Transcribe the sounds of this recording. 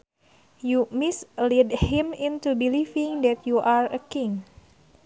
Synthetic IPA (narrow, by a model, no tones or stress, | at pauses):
jumislɛdhĩmĩnt̪ubilifĩŋdɛt̪juʔaɹəkiŋ